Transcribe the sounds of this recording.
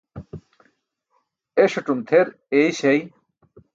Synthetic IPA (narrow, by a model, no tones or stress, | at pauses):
eʃoʈumt̪ʰeɾ | ejʃej